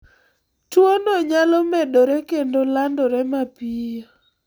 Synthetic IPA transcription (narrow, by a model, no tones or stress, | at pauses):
twonoɲalɔmɛdoɾɛkendolandɔɾɛmapijo